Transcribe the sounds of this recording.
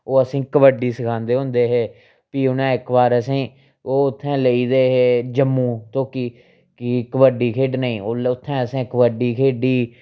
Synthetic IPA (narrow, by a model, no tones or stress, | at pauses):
oːəsĩːkəʋəɖiːsəkʰãːnd̪eːɦõnd̪eːɦeː | piːʊnɛ̃ːɪkʋaːɾəsẽː | oːʊt̪ʰːɛ̃ːləiːd̪eːɦeːd͡ʒəmːũːt̪oːkiː | kikəbəɖiːkʰeːɖnəĩːoːlʊt̪ʰːɛ̃ːəsẽːkəʋəɖiːkʰeːɖiː